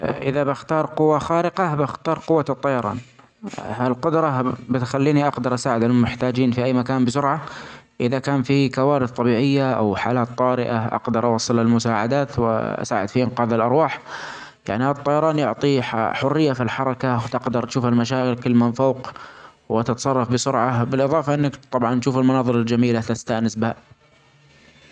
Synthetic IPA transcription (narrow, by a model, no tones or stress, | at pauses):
ʔɪðabɪxt̪ɑːɾˤqʊwːaxaːɾɪqabɪxt̪ɑːɾˤqʊwːat̪ˤːɑjɑɾˤɑ̰ːn | halqʊd̪ɾˤɑbɪt̪xalːiːniʔɑqd̪ɑɾˤʔasaːʕɪd̪almɪħt̪aːd͡ʒiːnfiʔajːmakaːnbɪsʊɾʕa | ʔɪðakaːnfikawaːɾɪθt̪ˤɑbiːʕɪjːaʔa̰wħaːlaːt̪ˤːɑːɾɪʔa̰ʔɑ̰qd̪ɑɾˤʔɑwɑsˤːɨlɪlmʊsaːʕad̪aːt̪w̰ʔa̰sa̰ːʕɪd̪fiʔɪnqɑːðɪlʔɑɾˤwɑːħ | ja̰ʕnihaːt̪ˤːɑjɑɾˤɑːnjʊʕt̪ˤiħaħʊrːɪjːafilħɑɾˤɑkawt̪ɪqd̪ɑɾˤʔaʃuːfalmaʃ̬aːɣɪlkɪlːmanfoːq | wɪt̪ɪt̪ɑ̥sˤɑrˤːɑfbɪsʊɾʕabɪlʔɨðˤɑːfɑʔɪnːakt̪ˤɑbʕɑnʔʃuːfɪlmʊnɑːðˤɨɾald͡ʒamiːlat̪ɪst̪aʔnɪsbɪha